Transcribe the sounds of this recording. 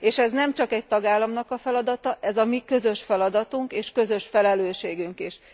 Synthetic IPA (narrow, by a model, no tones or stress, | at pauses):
eːʃɛznɛmt͡ʃɒkɛc̚t̪ɒɡaːlːɒmnɒkɒfɛlɒd̪ɒt̪ɒʔɛzɒmikø̞zø̞ʃfɛlɒd̪ɒt̪uŋkeːʃkø̞zø̞ʃfɛlɛløːʃeːɡyŋkiʃ